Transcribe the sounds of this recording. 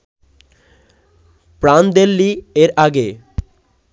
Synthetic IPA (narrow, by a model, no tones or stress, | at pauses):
pɾand̪elːieɾaɡe